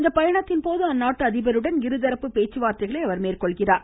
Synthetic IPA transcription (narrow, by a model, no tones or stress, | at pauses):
nd̪ɐpɐjɐɳɐt̪ːɪnpoːðɯɐnːaːʈːɯɐðɪbɐɾɯɽɐnɡɪɾɯðɐɾɐpːɯpeːt͡ʃːɯʋaːɾt̪ɐɪɣɐɭɐɪɐʋɐɾmeːrkɔɭɣɪraːɾ